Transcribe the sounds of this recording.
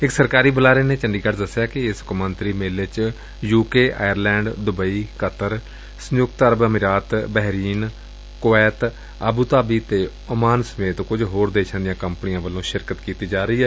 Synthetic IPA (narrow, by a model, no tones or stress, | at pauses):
ɪksəɾkaːɾiːbəlaːɾeːneːt͡ʃəɳɖiːkəʈd̪əsːejaːkɪɪskəmənt̪ɾiːmeːlet͡ʃ | juːkeːʔaːjəɾlɛ̃ːɳɖd̪ʊbəiːkət̪əɾ | sənjʊk̚t̪əɾbəmɪɾaːt̪bɛɦɾiːn | koɛːt̪ | əbuːt̪aːbiːt̪eː | ʊmaːnsəmeːt̪kʊd͡ʒɦoːɾd̪eːʃʰãːd̪ɪjãːkəmpnɪjãːʋəlːõːʃɪɾkət̪kiːt̪iːd͡ʒaːɾəiːɛː